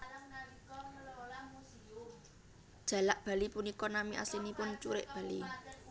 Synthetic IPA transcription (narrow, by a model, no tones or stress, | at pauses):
d̥ʒ̥a̤laʔb̥ä̤lipunikɔnamiʔa̰sinipʊnt͡ʃuɾɪ̰ʔb̥ä̤lḭ